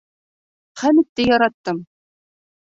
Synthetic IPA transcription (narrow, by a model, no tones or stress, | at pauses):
χæmɘ̆t̪ːejɒɾɑt̪ːɤm